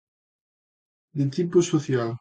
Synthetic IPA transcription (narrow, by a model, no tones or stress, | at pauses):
d̪et̪iposoθjal